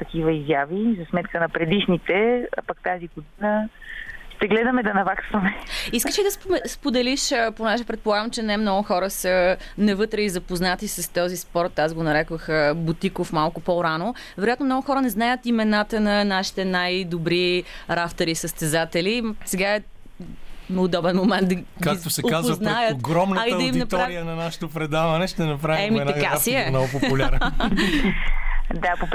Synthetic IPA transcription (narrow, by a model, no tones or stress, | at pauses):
t̪ɐkivəizjavizɐsmɛt̪kənɐpɾɛd̪iʃnit̪ɛa̰pak̚t̪aziɡod̪inə | ʃt̪ɛɡlɛd̪əmɛd̪ɐnɐvaksvɐmɛiskəʃid̪ɐspɛspod̪ɛliʃponɛʒɛpɾɛt̪̚polˠaɡəmt͡ʃɛnɛmnɔɡʊxɔɾəsə | nɛvɤt̪ɾɛizɐpoznat̪isɐst̪ɔzispɔɾt̪ːazɡonɐɾɛkvəxəbut̪ikofmalˠkʊpoɾano | vɛɾojat̪nomnɔɡʊxɔɾənɛznajət̪imɛnat̪ənɐnaʃi̥t̪ɛnajd̪obɾiɾaft̪ɛɾisəst̪ɛzat̪ɛlisɛɡaɛ | nːd̪ɔbɛnmomɛnt̪d̪ɐɡkakikt̪osɛkazpəznɛaj̪ətoɡɾɔmnəɐiəɐiminɐt̪ɔaɾiənɐnaʃə̥t̪opɾɛd̪avɐnɛʃt̪ɛnɐpɾavɛminɐakasiɛmnɔɡʊpoulʲɾ | d̪apo